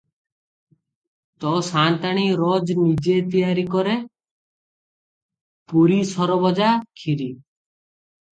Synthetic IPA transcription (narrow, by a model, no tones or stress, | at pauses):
t̪ɔsant̪aɽ̃iɾɔd͡ʒnid͡ʒet̪ijaɾikɔɾe | puɾisɔɾɔbɔd͡ʒakʰiɾi